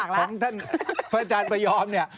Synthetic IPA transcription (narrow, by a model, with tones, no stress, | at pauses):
kɔː˧˩˦ŋt̪ʰa˥˩npʰɾa˧t͡ɕaː˧npa˧jɔː˧mni˥˩ɐ